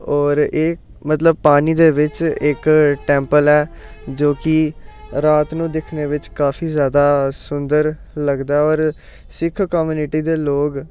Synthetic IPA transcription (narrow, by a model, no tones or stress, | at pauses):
ɔːɾeː | mət̪ləb̚paːniːd̪eːʋɪt͡ʃɪkʈɛ̃ːmpəlɛːd͡ʒoːkɪɾaːt̪nũːd̪ɪkʰneːʋɪt͡ʃkaːfʰiːzjaːd̪aːsʊnd̪əɾ | ləɡd̪aːɛɔːɾ | sɪkʰkɔːmjuːnɪʈiːd̪eːloːɡ